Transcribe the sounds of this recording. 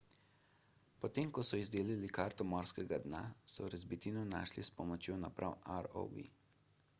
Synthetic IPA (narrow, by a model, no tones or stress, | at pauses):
pɔt̪eːmkɔsɔizd̪eːlilikaɾt̪ɔmɔɾskɛɡad̪na̰sɔɾɛzbit̪inɔna̰ːʃlispɔmɔt͡ʃjoːnapɾʔa̰waɾo̰bḭ